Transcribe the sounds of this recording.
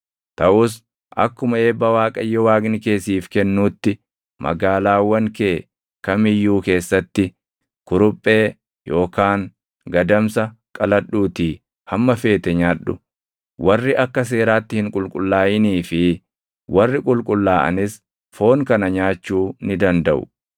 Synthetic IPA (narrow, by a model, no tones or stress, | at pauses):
t̪ɐʔʊs | ʔɐkːʊmɐe̞ːbːɐwaːkʼɐjːɔwaːɡnɪke̞ːsiːfkɛnːuːt̪ːɪ | mɐ̰ɡaːlaːwːɐŋkeː | kɐmɪjːuːke̞ːsːɐt̪ːɪ | kʊɾʊpʼːe̞ː | jo̞ːkaːŋ | ɡɐd̪ɐmsɐkʼɐlɐɗuːt̪iː | hɐmːɐfe̞ːt̪ɛɲaːᶑʊ̰ | wɐrːɪʔɐkːɐs̬e̞ːɾaːt̪ːɪhɪŋkʼʊlkʼʊlːaːjɪniːfɪ | wɐrːɪkʼʊlkʼʊlːaːʔɐ̰nɪs | fo̞ːŋkɐnɐɲaːt͡ʃːuːnɪd̪ɐnd̪ɐʔʊ̰